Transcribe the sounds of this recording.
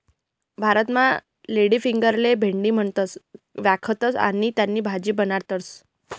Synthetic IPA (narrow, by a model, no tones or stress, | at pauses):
bʱaɾət̪ma | leɽiːfiŋɡəɾlebʱeɳɖiːm̤əɳt̪ət͡sʋjakʰət̪ət͡sa̰ñit̪janːiːbʱad͡ʑiːbənaɾt̪əɾt͡s